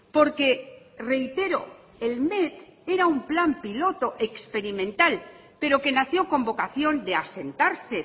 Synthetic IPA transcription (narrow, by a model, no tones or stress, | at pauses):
po̞ɾke̞ | re̞jt̪e̞ɾo̰ | elmet̪eɾaumplampilo̞t̪o̞ʔekspe̞ɾimẽ̞nt̪al | pe̞ɾo̞ke̞naθjo̞ko̞mbo̞kaθjo̞nd̪ease̞nt̪aɾse̞